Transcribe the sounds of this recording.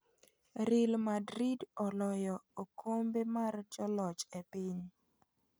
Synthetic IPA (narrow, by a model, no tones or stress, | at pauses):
ɾɪlmadɾidɔlɔjɔokʰombemard͡ʒɔlɔt͡ʃepɪɲ